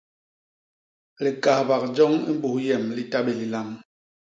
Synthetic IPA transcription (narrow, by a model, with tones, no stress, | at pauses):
li˨ka˨hba˨k̚d͡ʒɔ˦ŋḭ˦m̩˦bu˨hjɛ˨mli˦ta˦ɓe˨li˨la˦ŋ